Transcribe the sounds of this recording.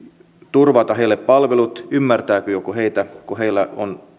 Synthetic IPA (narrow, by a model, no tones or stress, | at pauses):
t̪urʋɑt̪ɑheilːeppɑlʋelut̪ymːært̪æːkøjokuheit̪ækuheilːæo̰n